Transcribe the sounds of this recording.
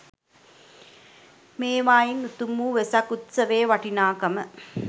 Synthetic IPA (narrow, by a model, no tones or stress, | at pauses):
meːʋaːjinut̪umːuːʋesɐkut̪sɐʋeːʋɐʈinaːkɐmə